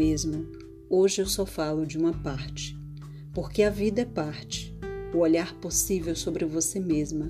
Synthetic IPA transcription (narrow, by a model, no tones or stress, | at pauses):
ezmʊ | oʒɪewsɔfalʊd͡ʒɪũmɐpaɾt͡ʃɪ̥ | poɾkɪɐvid̪ɐɛpaɾt͡ʃɪ̥ʊoʎaɾposivewsobɾɪvosemezmɐ